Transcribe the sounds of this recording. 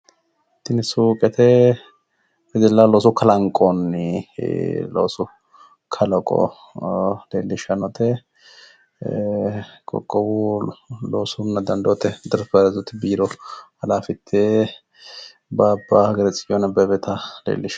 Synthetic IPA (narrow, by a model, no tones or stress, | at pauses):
t̪ːɪnɪsuːkʼɛt̪ɛ | bɛd̪ɛlːaloːs̬ʊkʰɐlɐŋkʼonːɪ | lo̰ːsʊ | kʰɐlɔkʼɔ̰ | leːlːɪʃɐnɔt̪ʰɛ | kʼɔ̰kʼːɔwuloːsʊnːɐd̪ɐnd̪oːt̪ɛd̪ɐɾfɐɾɛzɔt̪ːɪbiːɾɔhɐlaːfɪt̪ʰːe | bɐːbːaːɐɡɐɾɛt͡sʼɪɔnɐbɐbɛt̪ʰɐlḛːlːɪʃ